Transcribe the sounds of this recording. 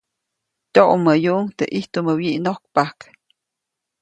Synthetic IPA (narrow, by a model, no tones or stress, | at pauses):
t̪ʲoʔumːəjuʔŋt̪eʔiht̪uməwiʔnok̚pak